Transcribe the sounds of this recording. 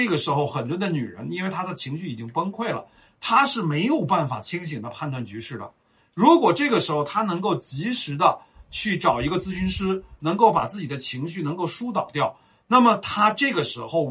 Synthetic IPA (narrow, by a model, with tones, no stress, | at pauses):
ɤ˥˩ɡə˩ʂɻ̩˧˥xo˥˧ʊxə˨˩nɻə˥nd̪ə˧ny˨˩ɻə̰˧˥ni˥nwɪt̪ʰa˥d̪ə˨t͡ɕʰi˧˥ŋɕy˥˩i˨˩t͡ɕi˥ŋpə˥nkʰwe˥˩ɪlə̰˩ | t̪ʰa˥ʂɻ̩˥˩me˧˥ɪjo˨˩ʊpa˥˩nfa̰˨˩t͡ɕʰi˥ŋɕ̬i˨˩ŋd̪ə˦pʰa˥˧nt̪wa˥˩nt͡ɕy˧˥ʂɻ̩˥˩d̪ə̰˩ | ɻu˧˥kwɔ˨˩ʈ͡ʂɤ˥˩ɡə˩ʂɻ̩˧˥xo˧ʊt̪ʰa˥nɤ˧˥ŋko˥˩ʊt͡ɕi˧˥ʂɻ̩˧˥d̪ə˧ | t͡ɕʰy˥˩ʈ͡ʂɑ˨˩ʊi˧˥ɡə˧t͡sɹ̩˥ɕy˧˥nʂɻ̩˥nɤ˧˥ŋko˥˩ʊpa̰˨˩t͡sɹ̩˥˩t͡ɕi˨˩d̪ə˦t͡ɕʰi˧˥ŋɕy˥˩nɤ˧˥ŋko˥˩ʊʂu˥t̪̬ɑ˨˩ʊt̪jɑ˥˩ʊ | na˥˩mə˩t̪ʰa˥ʈ͡ʂɤ˥˩ɡə˩ʂɻ̩˧˥xo˥˧ʊ